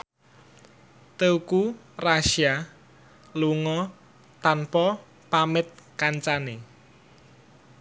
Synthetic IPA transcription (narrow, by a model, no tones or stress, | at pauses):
t̪euku | raʃia | luŋɔ | t̪anpɔ | pamɪt̪̚kaɲt͡ʃane